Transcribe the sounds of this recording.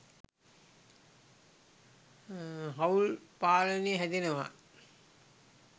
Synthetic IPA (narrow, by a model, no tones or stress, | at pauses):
ɦaulpaːləneːɦæd̪enəʋa̰